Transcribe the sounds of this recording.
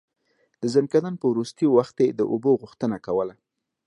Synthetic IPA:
d̪̥əzankad̪anpəwɾust̪əjowaxt̪ed̪əʔoboɣʊxt̪ənakawəla

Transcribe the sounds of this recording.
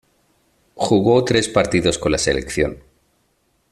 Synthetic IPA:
xuɣ̞ot̪ɾe̞spaɾt̪iðo̞sko̞nlase̞le̞̰kθjo̞̰n

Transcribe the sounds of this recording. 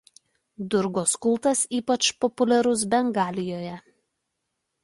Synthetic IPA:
d̪ʊɾɡoːskʊlˠt̪ɐsiːpɐt͡ʃpɔpʊlʲɛɾʊs̬bʲɛŋɡɑːlʲɪjoːjɛ

